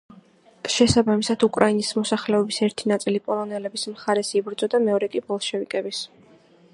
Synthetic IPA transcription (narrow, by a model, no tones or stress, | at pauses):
ʃɛsabamisad̪ukʼɾainismɔsaχlɛɔbisɛɾt̪ʰinat̪sʼilipʼɔlˠɔnɛlɛbismχaɾɛsibɾd̪zɔd̪amɛɔɾɛkʼibɔlˠʃɛvikʼɛbis